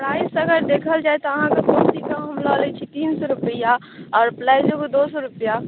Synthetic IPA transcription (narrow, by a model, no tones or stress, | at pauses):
pɾaisəɡəɾd̪ekʰəld͡ʒaːjt̪ɔəɦãkekot̪ikaɦəmlɔlɛt͡ʃʰit̪iːnsɔɾupəja | ɔːɾplaɪzoked̪osɔɾupja